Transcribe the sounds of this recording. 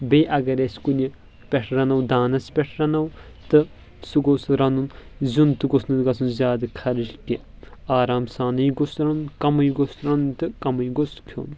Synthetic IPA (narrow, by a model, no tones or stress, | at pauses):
beːʔɐɡɐɾeskunʲɐ | pʲɛʈʰɾɐnɐwd̪aːnɐspʲɛʈʰɾɐnɐw | t̪ɨ | sɨɡosɾɐnunzʲunt̪ɨɡosnɨt̪ɡɐsunzʲaːd̪ɨkʰɐɾiʃʈʲɐ | aːɾaːmsaːnɐjɡosɾɐnnkɐmɐjɡosɾɐnt̪ɨkɐmɨjɡoskʲʰjo̰ːn